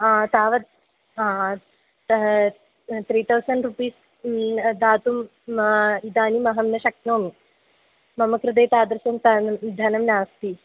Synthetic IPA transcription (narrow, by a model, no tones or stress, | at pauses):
t̪aːʋɐt̪̚ | a | t̪ʰɾiːt̪ʰɐwsɐɳɖɾupiːs | d̪ʱaːt̪um | id̪aːnimɐɦɐmnɐʃɐknoːmi | mɐmɐkɾɨd̪eːt̪aːd̪ɾɐsɐmt̪ɐd̪ʱɐnɐmnaːst̪i